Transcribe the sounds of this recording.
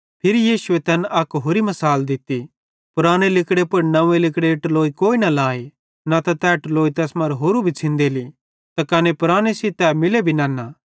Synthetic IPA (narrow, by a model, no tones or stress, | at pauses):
pʰɪɾijiːsʊet̪ɛːnɐkɦoːɾimɐsaːld̪ɪt̪ːi | pʊɾaːñelɪkɽepɐɾnɐ̃ẽlɪkɽeʈloːikoːinɐlaːe | nat̪at̪ɛːʈloːit̪ɛːsmɐɾɦoːɾubʱit͡sʰɪ̃nd̪eli | t̪ɐkɐnepʊɾaːɽ̃esit̪ɛːmɪlebʱinãːnːa